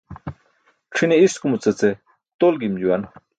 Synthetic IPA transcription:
ʈ͡ʂʰineiskumut͡sɐt͡se | t̪olɡimd͡ʑuwan

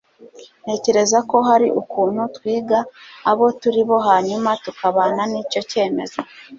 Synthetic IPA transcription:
n̥e̞ːce̞ɾe̞zako̞ɦaɾiʔukuːnhutwiːɡaːβo̞tuɾiβo̞ɦaɲumatukaβaːnaniːco̞ce̞ːme̞̰zo

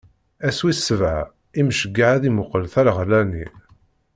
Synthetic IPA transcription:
æswisːəvʕa̰ | imʃəɡːaʕæðimʊqəlθæɾʁlːæni

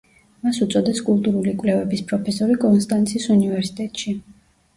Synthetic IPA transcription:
masut̪sʼɔd̪ɛskʼulˠt̪ʼuɾulikʼvlɛvɛbispʰʼɾɔpʰɛsɔɾikʼɔnst̪ʼant̪sʰiːsunivɛɾsi̥t̪ʼɛt̪ʼʃi

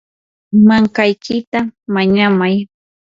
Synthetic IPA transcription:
maŋkajkɪt̪amaɲamaj

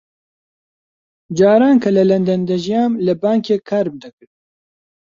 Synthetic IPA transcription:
d͡ʒaːɾaːnkʰɐlɐlɛnd̪ɛnd̪ɛʒijaːmlɨbaːŋkeːkʰaːɾb̚d̪ɨkɨɾ

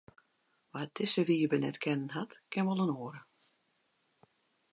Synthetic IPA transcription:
ʋad̥ɪsəʋiːəbənɛ̰tkʰɛnənhatkʰɪnʋɔlˠənoːəɾə

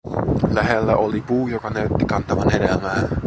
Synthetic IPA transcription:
læɦelːæʔolipuːjokɑnæyt̪ːikɑnt̪ɑʋɑnhedelmæːn

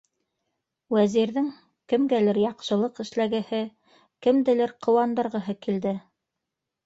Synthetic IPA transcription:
wæziɾðɘŋ | kɘ̆mɡælɘɾjɑqʃɤ̆lˠɤqɘ̆ʃlæɡɘ̆hɘ | kɘ̆md̪ɘ̆lɘɾqʰɤ̆wɑnd̪ɤ̆ɾʁɤ̆ɦɤkild̪ɘ

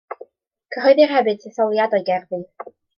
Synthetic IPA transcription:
kʰəɦɔɨðirhɛbɨd̥̚tʰiθɔlˠjadɔjɡɛrðɨ

